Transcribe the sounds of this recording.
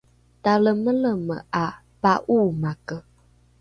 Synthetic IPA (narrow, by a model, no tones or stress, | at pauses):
taləmələməʔa | paʔumakə